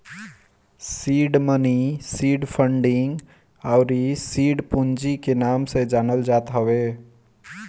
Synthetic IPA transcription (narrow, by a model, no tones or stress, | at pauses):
siːɖmənisiːɖpʰəɳɖɪŋɡ | aʊɾisiːɖpund͡ʒikenaːmsed͡ʒaːnəld͡ʒaːt̪ɦəwe